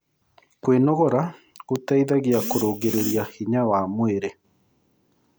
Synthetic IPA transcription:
kwenoɣoɾa | ut̪aiðaɣiakoɾoːɡeɾeɾiahiɲawaːmueɾe

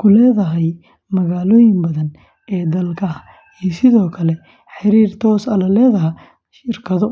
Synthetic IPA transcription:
kʰʊlɛːðɐɦɛj | mɐɣaːlɔːjɪŋbɐðɐn | ɛːd̪ɐlkʰɐ | ɛːsɪðɔːkʰɐlɛ | ħɪɾiːrt̪ʰɔːsɐlɐlɛːðɐɦɐ | ʃɪrkʰɐðɔ

